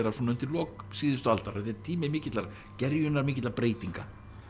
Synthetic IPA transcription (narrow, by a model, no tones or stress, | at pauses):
ɛɾasɔnʏmt̪ʰɪllɔːksiːðʏst̪ʏalt̪aɾ̥ɛt̪ɛɾt̪ʰiːmɪmɪːcɪt̪laɾ | cɛɾjʏnaɾmɪːcɪt̪laɾpɾeːjt̪iŋka